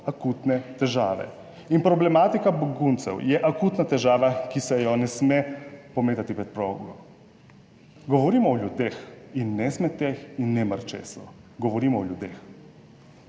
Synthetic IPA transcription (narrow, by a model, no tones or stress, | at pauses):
akuːt̪nɛt̪ɛʒaːʋɛ̰ | inpɾoblɛmat̪ikaboɡunt̪sɛ̰wjɛʔakuːt̪nat̪ɛʒaːʋakisɛjɔnɛsmɛpomeːt̪at̪ipɾɛt̪̚pɾoɡo | ɡoʋoɾimɔːʎud̪exinːɛsmɛt̪exinːɛmaɾt͡ʃḛːsɔ̰ɡoʋoɾimɔːʎʲud̪ex